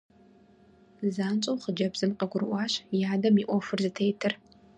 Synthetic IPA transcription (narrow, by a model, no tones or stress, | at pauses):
zaːnt͡ʃʼɐwχəd͡ʒɐbz̥ɨmqʼɐɡʷʊɾɨʔʷɑːɕjaːdɐmiʔʷɔfɨrzɨtʰejtʰɨr